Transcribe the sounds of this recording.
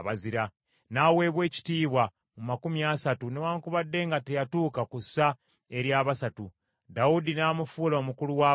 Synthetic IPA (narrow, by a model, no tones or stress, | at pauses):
βaziɾa | naːwe̞ːβwe̞ːci̥tiːβwa | mumakumjaːsatunewaːŋkuβadːe̞ːŋɡatejatuːkakusːa | e̞ɾjaːβasatu | daudinaːmufuːlaomukuluwaː